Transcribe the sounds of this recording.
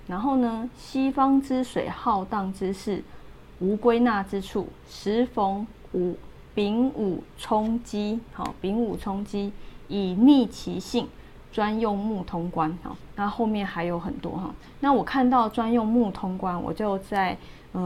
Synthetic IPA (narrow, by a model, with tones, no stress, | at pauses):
na˧˥nxo˥˩ʊnə˧ɕi˥fɑ˥ŋʈ͡ʂɻ̩˦ʂwḛ˨˩ɪxɑ˥˧ʊt̪ɑ˥˨ŋt͡sɻ̩˥˦ʂɻ̩˥˩ | u˧˥kwe˥ɪna˥˨ʈ͡ʂɻ̩˦ʈ͡ʂʰṵ˥˩ | ʂɻ̩˧˦fo˧˥ŋ | u˨˩˦ | pi˧˥ŋu˨˩ʈ͡ʂʰɔ˦ŋt͡ɕi˥hɔ̰˨˩pi˧˥ŋu˨˩t͡sʰʊ˥ŋt͡ɕi˦˥i˨˩ni˥˩t͡ɕʰḭ˧˥ɕi˥˨ŋ | ʈ͡ʂwa˦˥njo˥˧ŋmu˥˩t̪ʰʊ˥ŋkwa˦nhɔ̰˨˩na˥˧xo˥˧ʊmjɛ˥˨nxa˧˥ɪjo˧˥ʊxə˨˩nt̪wɔ̰˦ɦɔ̰˥˨˩ | na˥˨wɔ˨˩kʰa˥˧nt̪ɑ˥˩ʊʈ͡ʂwa˦˥njɔ˥˧ŋmu˥˩t̪ʰʊ˥ŋkwa˦nwɔ̰˨˩t͡ɕjo˥˧ʊt͡sa˥˨ɪ | ə˨˩